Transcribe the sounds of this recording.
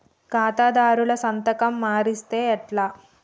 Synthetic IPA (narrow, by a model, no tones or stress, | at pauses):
kaːt̪aːd̪aːɾulɐsɐnt̪ɐkɐmːaːɾist̪e̞ːɛʈlaː